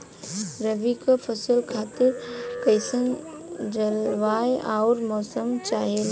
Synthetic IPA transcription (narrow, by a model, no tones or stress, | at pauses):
ɾəʋikapʰɐsəlkʰaːt̪ɪɾkɐɪsən | d͡ʒɐlʋaːjʔaʊɾmɔːsəmt͡ʃaːɦel